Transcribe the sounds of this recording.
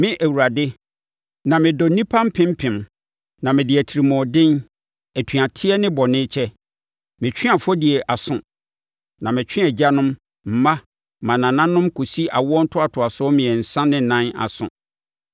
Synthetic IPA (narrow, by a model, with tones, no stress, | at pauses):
mɪ̃˦ʔæ˨wu˨ɾa˨dɪ˦ | nã˨mɪ̃˨dɔ˨˦nĩ˦pʰã˦m̩˦pʰɪ̃˦m̩˦pʰɪ̃˨m | nã˨mɪ̃˨dɪ˨æ˨tʰi˨ɾi˨mɔ̃˨dɪ̃˦n | ɛ˨tʰi˨a˨tʰɪ˦ɛ˦nɪ̃˦bɔ˨nɪ̃˦t͡ɕʰɛ˦ | mɪ̃˨t͡ɕᶣʰɪ̃˦a˨fʊ˦ɔ˦dɪ˨ɛ˨ʔa˨sʊ̃˨ | nã˨mɪ̃˨t͡ɕᶣʰɪ̃˦a˨d͡ʑa˦nʊ̃˦m | m̩˨˦mã˦ | mã˨nã˨nã˦nːʊ̃˦mkʰo˨si˦ʔa˨wɔ˦n̩˦tʰʊ˦a˨tʰʊ˨a˨sʊ˦mɪ̃˨ɛ˨n̩˨sã˦nɪ̃˦˨nã˦na̰˨sʊ̰̃˨